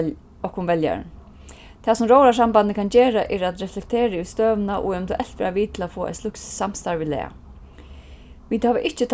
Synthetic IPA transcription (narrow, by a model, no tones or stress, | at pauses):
ɔkʊnʋɛlja̰ɾ̰n | t̪ʰɛːsʊmɾoːwɾas̬amband̪ɪkʰand͡ʑɛːɾaʔɛɾad̪ɾɛflɛk̚t̪ʰeːɾaʉst̪øːʋnaʔʊ̰ɛmɪnt̪ʰəʔɛl̥t̪ʋɛ̰ːɾaʋiːt̪ʰɪlafoːa̰ɪslʊksːam̥st̪aɹʋilɛ̰ːa̰ | ʋit̪haːʋɪʔɪht͡ʃɪt̪ʰ